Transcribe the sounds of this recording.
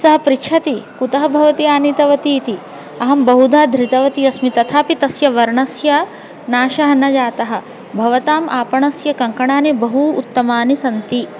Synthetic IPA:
sɐɦɐ̆pɾiʃʰɐt̪ikut̪ɐɦɐbʱɐʋɐt̪iaːnit̪ɐʋɐt̪iːt̪i | ɐɦɐmbɐɦud̪ʱaːd̪ʱɾit̪ɐʋɐt̪iɐsmit̪ɐt̪ʰaːpit̪ɐsjɐʋɐɾɳɐsjɐ | naːʃɐɦɐnɐd͡ʒaːt̪ɐɦɐ̆ | bʱɐʋɐt̪aːmʔaːpɐɳɐsjɐkɐŋkɐɳaːneːbɐɦṵːt̪ːɐmaːnisɐnt̪i

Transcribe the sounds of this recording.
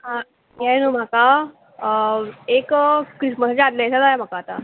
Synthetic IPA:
ɦa | jɛnom̤aka | ekkɾisməsat͡ɕeat̪leɛsad͡zajam̤akaːt̪a̰

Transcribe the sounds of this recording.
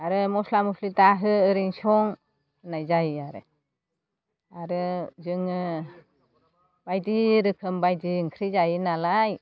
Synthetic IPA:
aɾɯmɔslamuslitaɦɯɯɾiŋsɔŋ | najzajaɾɯ̰ | aɾɯzɯŋɯ | b̥ajdiɾɯkʰɯmbajdiŋkʰɾijzajinalaj

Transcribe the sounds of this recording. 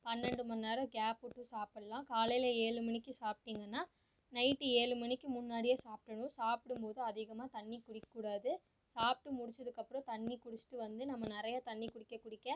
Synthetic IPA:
pɐnːɛɳɖɯmɐnːaːɾɐ̃ɡaːpːʊʈːɯsaːpɐlãːkaːlɐjɪlɐeːɻɯmɐnɪkːɯsaːp̚ʈiːŋɡɐnːaː | nɐɪʈːɯeːɻɯmɐɳɪkːɯmʊnːaːɽɪjɐsaːp̚ʈɐɳʊ̃saːpɽɯmpoːðɯɐðɪɣɐmaːt̪ɐɳːikʊɽɪkːɐːuːɽaːðɯ | saːp̚ʈːɯmʊɽɪt͡ʃːɐðɯkːɐpːɯɾõt̪ɐɳːikʊɽɪt͡ʃːɪ̥ʈːɯʋɐnd̪ɯnɐmːɐnɪɾɐjat̪ɐnːikʊɽɪkːɐkːʊɽɪkːẽː

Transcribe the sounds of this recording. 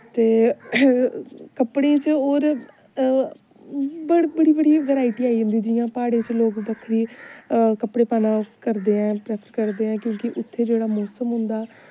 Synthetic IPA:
t̪eː | kəpɽẽːt͡ʃoːɾ | bəbəɽiːbəɽiːʋɛːɾaːɪʈiːaːid͡ʒʊ̃nd̪iːd͡ʒɪjãːpaːɽeːt͡ʃloːkb̪əkʰːɾiː | kəpɽeːpaːnãːkəɾd̪eːɛ̃ːpɾɛːpʰəɾkəɾd̪eːɛ̃ːkjõːkɪʔʊt̪ʰːeːd͡ʒeːɽaːmɔːsəmɦʊ̃nd̪aː

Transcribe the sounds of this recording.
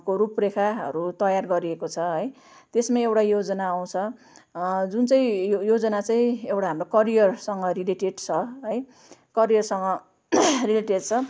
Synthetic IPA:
koɾuprekʰaɦʌ̰ɾut̪ʌjarɡʌɾiekot͡sʰʌɦʌj | t̪esmaewʈajod͡zʌnaːw̃t͡sʰʌ | d͡zunt͡saĩjod͡zʌnat͡saĩewʈaɦamrokʌɾijʌrsʌŋɡʌrileʈeɖt͡sʰʌɦʌj | kʌɾijʌrsʌŋɡʌ | rileʈeɖt͡sʰʌ

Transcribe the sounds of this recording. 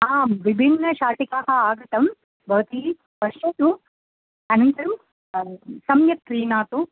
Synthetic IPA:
aːmʋibʱinːɐʃaːʈikaːɦɐaːɡɐt̪ɐm | bʱɐʋt̪i | ʋɐʃɐt̪u | ɐnɐnt̪ɐɾɐm | sɐmjɐt̪̚ːɾiːnaːt̪u

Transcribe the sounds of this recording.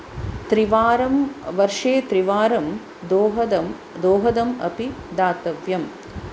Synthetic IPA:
t̪ɾiʋaːɾɐmʋɐɾʂeːt̪ɾiʋaːɾɐm | d̪oːɦɐd̪ɐ | d̪oːɦɐd̪ɐmɐ̰pid̪aːt̪ɐʋjɐm

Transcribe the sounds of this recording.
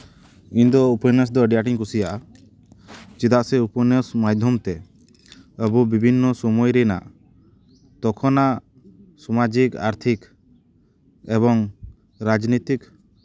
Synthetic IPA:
iɲd̪ɔupənəs̬d̪ɔəɖijaʈiŋkusijaʔ | t͡ʃid̪aʔsɛupɔnəsmajd̪ʱjɔmt̪ɛ | əbubibʱinːɔsɔmɔjɾɛna̰ʔ | t̪ɔkʰɔnaʔ | sɔmad͡ʒika̰ɾt̪ʰik | ɛβɔŋ | ɾad͡ʒnit̪ik

